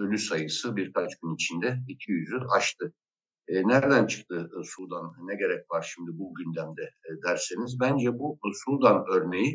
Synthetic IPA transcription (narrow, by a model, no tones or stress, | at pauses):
ø̞lʲysajɯsɯbiɾkʰat͡ʃɟynit͡ʃʰind̪ɛicʰijyzyaʃt̪ʰɯ | næɾd̪ænt͡ʃʰɯ̥k̚t̪ʰɯsud̪anːɛɟe̞ɾɛc̚vaɾʃimd̪ibuɟynd̪æmd̪ɛd̪æɾsenizbænd͡ʒɛbusud̪anøɾne̞ji